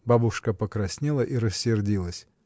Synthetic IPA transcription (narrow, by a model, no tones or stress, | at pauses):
babʊʂkəpəkɾɐsʲnʲelˠəʔiɾəsʲːɪrdʲilˠəsʲ